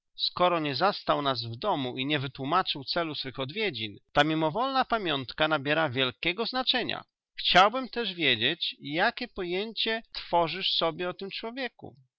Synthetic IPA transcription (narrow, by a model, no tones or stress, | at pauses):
skɔɾɔɲɛzast̪awnazvd̪ɔmuʔiɲɛvɘt̪wumat͡ʂɘwt̪sɛlusfɘxɔd̪vʲjed͡ʑint̪amʲimɔvɔlnapamʲjɔnt̪kanabʲjɛɾavʲjɛlkʲɛɡɔznat͡ʂɛɲa̰ | xt͡ɕawbɘmt̪ɛʐvʲjed͡ʑet͡ɕjakʲɛpɔjeɲt͡ɕɛt̪fɔʐɘʂsɔbʲjɛɔt̪ɘmt͡ʂwɔvʲjɛkṵ